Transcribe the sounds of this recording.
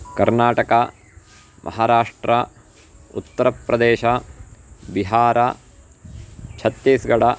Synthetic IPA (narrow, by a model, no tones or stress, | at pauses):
kɐɾnaːʈɐka | mʔɐ̰ɦaːɾaːʂʈɾɐ | ṵt̪ːɐɾɐpɾɐd̪eːʃɐ | biɦaːɾɐ | t͡ʃʰɐt̪jeːsɡɐɽɐ